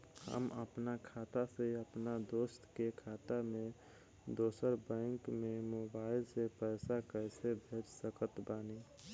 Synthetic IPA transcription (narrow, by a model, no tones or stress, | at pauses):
hə̰mə̰pnakʰaːt̪aseiəpnad̪oːst̪kekʰaːt̪amẽ | d̪oːsəɾbɛ̃ːŋkmẽmoːbaːɪlsepɛːsakəɪsebʱeːt͡ʃsəkət̪baːne